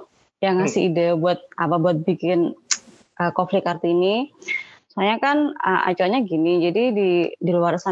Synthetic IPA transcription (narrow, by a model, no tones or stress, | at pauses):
jaŋasɪidəbuat̪̚apabuat̪̚bikɪn | ʔəkoflɪkart̪iːni | suaɲakanə̰ʔa̰t͡ʃuaɲaɡinid͡ʒadididiluarsa